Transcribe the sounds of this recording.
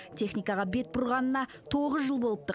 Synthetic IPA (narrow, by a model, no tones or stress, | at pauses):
t̪ʰe̞χnijkɑʁɑbe̞t̪̚bʊɾʁɑnənɑ | t̪ʰo̞ʁəzʒəlˠbo̞lˠəp̚t̪ə